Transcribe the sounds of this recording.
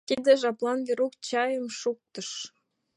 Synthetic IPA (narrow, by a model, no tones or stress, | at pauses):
t̪id̪ĕʒɑplɑnveɾuk̚t͡ɕɑjəmʃuk̚t̪ə̆ʃ